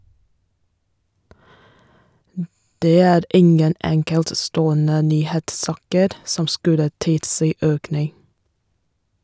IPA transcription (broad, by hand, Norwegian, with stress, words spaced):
ˈdeː ˈæːɾ ˈɪŋən ˈɛŋkɛltˌstoːənə ˈnyːheːtˌsɑːkəɾ ˈsɔm ˈskʉlə ˈtɪlˌsiː ˈøːknɪŋ